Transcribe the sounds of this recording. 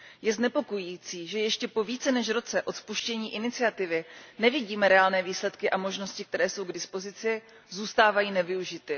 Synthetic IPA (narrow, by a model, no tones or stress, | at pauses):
jɛznɛpo̞kojiːt͡siːʒɛjɛʃcɛpo̞viːt͡sɛnɛʃɾo̞t͡sɛʔo̞t̪spuʃcɛɲiːʔɪnɪt͡sɪat̪ɪvɪnɛvɪɟiːmɛɾɛaːlnɛːviːslɛt̪kɪʔamo̞ʒno̞scɪk̚t̪ɛɾɛːso̞wɡdɪspo̞zɪt͡sɪ | zuːst̪aːvajiːnɛvɪuʒɪt̪ɪ